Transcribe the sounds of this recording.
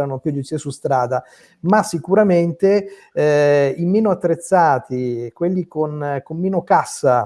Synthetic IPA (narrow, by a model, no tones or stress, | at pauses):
ɾanopjud̪usesust̪ɾaːd̪a | masːikuɾament̪e | imeːnoat̪ːɾet̪sːaːt̪ikwelːikonkomːeːnokasːa